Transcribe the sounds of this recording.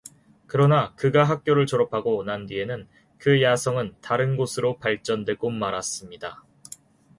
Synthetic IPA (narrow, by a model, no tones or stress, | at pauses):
kɯɾʌnakɯɡaɦak̚k͈joɾɯɭt͡ɕʌɾʌpʰaɡonandie̞nɯn | kɯjasʰʌŋɯntaɾɯnɡosʰɯɾopaɭt͡ɕ͈ʌndwe̞ɡomːaɾas͈ɯmɲida